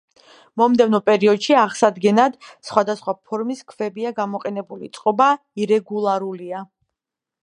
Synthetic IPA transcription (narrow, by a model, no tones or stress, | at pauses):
mɔmd̪ɛvnɔpʼɛɾiɔd̪ʃiaʁsad̪ɡɛnad̪̥sχwad̪asχwapʰɔɾmiskʰvɛbiaɡamɔqʼɛnɛbulḭt̪sʼqʼɔba | iɾɛɡulˠaɾulia